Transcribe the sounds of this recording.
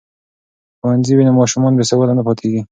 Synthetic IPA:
xwanziwinamɑʃumɔnbesawəlanapɑt̪ʰeɡi

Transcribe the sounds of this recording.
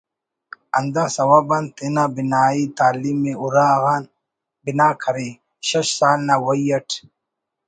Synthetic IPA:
ɐnd̪asɐwabɐnt̪enabinaːit̪aːlimːeuɾaːɣaːn | binaːkʰɐɾi | ɕɐɕsaːlnawɐjɐʈʰ

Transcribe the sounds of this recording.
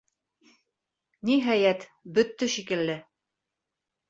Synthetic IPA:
niɦæjæt̪bɵt̪ːɘʃikɘ̆lːɘ

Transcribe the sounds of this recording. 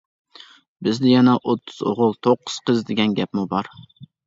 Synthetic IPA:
bɪzd̪ɪjɛnɛʔot̪ʰːʊz̥o̰ʁʊlˠt̪ʰoqʰːʊz̥qəzd̪ɪɡʲɛnɡʲɛpmubɑɾ

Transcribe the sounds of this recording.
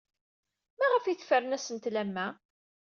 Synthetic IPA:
mæʁəfjiθfəɾənæsənt̪læmːæ

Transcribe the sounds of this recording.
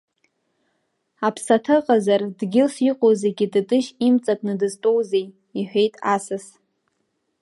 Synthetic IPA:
apʰsatʰɨqʼazardɡʲɪlsiqʷʼozeɡʲɪdɨtʼɨʃimt͡sʼakʼnɨdɨztʼo̞wzej | iħʷᶣe̞jtʼasɨs

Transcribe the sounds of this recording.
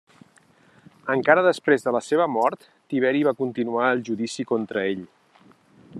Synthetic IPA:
əŋkaɾəðəspɾezðələseβəmɔɾt̪ːiβ̞ɛɾiβakunt̪inuaəlˠʒuðisikont̪ɾəeʎ

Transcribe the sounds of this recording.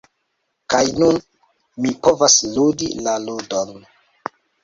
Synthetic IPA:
kajnun | mipovasludḭlaludon

